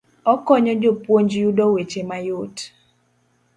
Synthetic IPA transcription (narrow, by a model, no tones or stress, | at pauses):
ɔkɔɲɔd͡ʒopwoɲd͡ʒjudɔwet͡ʃemajot